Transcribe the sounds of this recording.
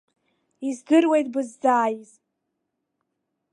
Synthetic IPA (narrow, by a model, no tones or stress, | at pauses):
izɡɨrwe̞jtʼbɨzːaːjiz